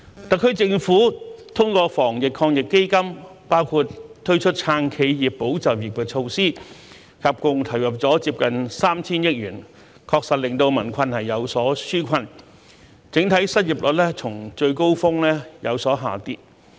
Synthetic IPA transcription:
t̪ɐ˨kʰːɵ˧˥ɥt͡sɪ˧ŋfuː˨˥t̪ʰʊ˥ŋkʷɔː˧fɔː˨˩ŋjɪ˨kʰːɔː˧ŋjɪ˨kːe˥jkɐ˥mpaː˥wkʰuː˧t̚t̪ʰɵ˥ɥt͡ʃʰɵ˥t̚t͡sʰaː˧˥ŋkʰe˨˧jjiː˨pːo˨˥wt͡sɐ˨w̚ji˨˩p̚kɛː˧t͡ʃʰo˧wsiː˥ | kʰɐ˨p̚kʊ˧ŋt̪ʰɐ˨˩wjɐ˨p̚t͡sɔː˨˥t͡siː˧˥p̚kɐ˨nsaː˥mt͡sʰiː˥njɪ˥k̚jyː˨˩n | kʰɔː˧k̚sɐ˨t̚lɪ˨ŋt̪o˧wmɐ˨˩nkʷʰɐ˧nhɐ˨˩jːɐ˨˧wsɔː˨˥syː˥kʷʰɐ˧n | t͡sɪ˨˥ŋt̪ʰɐ˨˥jsɐ˥t̚ji˨˩p̚lɔ˨˩t̚lɛ˥t͡sʰʊ˨˩ŋt͡ʃɵ˧ɥko˥wfʊ˥ŋlɛː˥jɐ˨˧wsɔː˨˥ɦa̰ː˨˩t̪ḭː˧˥p̚

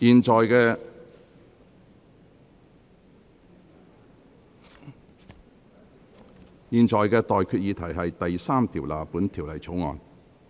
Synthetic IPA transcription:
jiː˨˩nt͡ʃɔː˨jkɛː˧ | jiː˨nt͡ʃɔː˨˩jkɛː˧t̪ɔː˨jkʰyː˧t̚jiː˨˧t̪ʰɐ˨˩jɦɐ˨jt̪ɐ˨jsaː˥mt̪ʰiː˨˩wla̰ː˨puː˨˥nt̪ʰiː˨˩wlɐ˨˩jt͡sʰo˨˥wŋɔ̰ː˨˧n

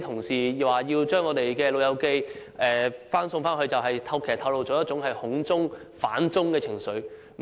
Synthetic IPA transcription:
t̪ʰʊ˨˩ŋsiː˨˩˨waː˨jiː˧wt͡ʃœː˥ŋːɔː˨˧t̪e˨jkɛː˧lo˨˧wjɐ˨˧wke˥jʔɛː˨˩faː˥nsʊ˧ŋfaː˥nhɵ˧ɥt͡sɐ˨wɦɐ˨jt̪ʰɐ˧˥wkʰeː˨˩t̪ʰɐ˨˧wlo˨wt͡ʃɔː˨˥jɐ˥t̚t͡sʊ˨˥ŋɦɐ˨jhʊ˨˥ŋt͡sʊ˥ŋfa̰ː˨˥nt͡sʊ˥ŋkɛː˧t͡sʰɪ˨˩ŋsɵ˨˥ɥ | m

